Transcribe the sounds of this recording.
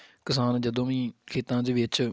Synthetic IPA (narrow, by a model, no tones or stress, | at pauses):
kɪsaːnd͡ʒəd̪õːʋĩːkʰeːt̪ãːd͡ʒʋɪt͡ʃ